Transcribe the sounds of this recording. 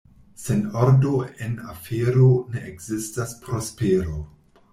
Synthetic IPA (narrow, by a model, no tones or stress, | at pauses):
se̞noɾdo̞e̞na̰fe̞ɾo̞ne̞ʔekzistaspɾo̞spe̞ɾo̞